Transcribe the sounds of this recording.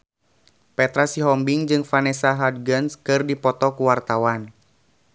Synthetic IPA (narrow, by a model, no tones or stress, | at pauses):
pɛt̪ɾasiɦɔmbiŋd͡ʒɨŋfanɛsaɦad̚ɡənskɨrdipɔt̪ɔkuwart̪awan